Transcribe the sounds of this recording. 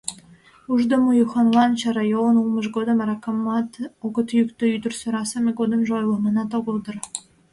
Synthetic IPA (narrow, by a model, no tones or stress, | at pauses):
uʐd̪ŏmujuχɑnlˠɑnɕɑɾɑjolɤ̆nulˠmɤ̆ʃ̬ɡod̪ɤ̆mɑɾɑkɑmːɑt̪oɡɤ̆t̪jykt̪ø̆yd̪ɘ̆rsŏɾɑsɑmʲeɡod̪ɤ̆mʒjlˠɑ̆mɑnɑt̪oɡɤ̆lˠd̪ɤ̆r